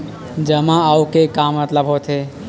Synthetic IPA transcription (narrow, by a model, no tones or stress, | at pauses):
d͡ʒəmaaukekamət̪ləbʱɦot̪ɦe